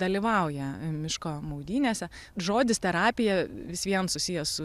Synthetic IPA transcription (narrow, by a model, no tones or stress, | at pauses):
d̪ɐlʲɪʋɐʊjɛmʲɪʃkoːmɐʊd̪ʲiːnʲeːsʲɛ | ʒoːd̪ʲɪst̪ʲɛɾɑːpʲɪjɛʋʲɪsʋʲiɛnsʊsʲɪjɛsʊ